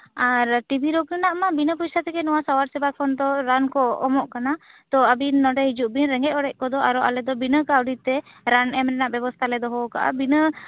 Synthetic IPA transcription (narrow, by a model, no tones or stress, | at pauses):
aɾʈibʱiɾokənaʔmabinəpujsat̪ɛkɛnɔwasɔwaɾsɛbakʰɔnd̪ɔɾankɔɔmɔʔkanat̪ɔəbinːɔɖɛɦid͡ʒuʔbinɾɛŋɡɛc̚ɔɽɛʔ̚kɔd̪ɔʔaɾɔʔa̰lɛd̪ɔbinəkawɖit̪ɛ | ɾanɛmnɛnaʔbɛbɔst̪ʰalɛd̪ɔɦɔka̰ʔa̰binə